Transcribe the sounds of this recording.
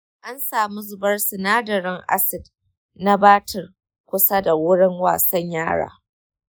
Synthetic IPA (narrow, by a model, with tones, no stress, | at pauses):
ʔa˦nsaː˨mu˦zʊ˨bɐ˦rsɪ˨naː˦dɐ˨ɾɪ˦ŋʔa̰˦sɪ˨d | na˦baː˦tʰɪ˨r | kʷʊ˦sa˦da˨wʊ˦ɽɪ˦ŋwa̰ː˨sɐ˦ɲjaː˦ɽa̰ː˨